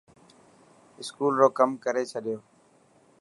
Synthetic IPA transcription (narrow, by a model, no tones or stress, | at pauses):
ɪskuːlɾoːkəmkəɾeːt͡ʃʰəɗɪjoː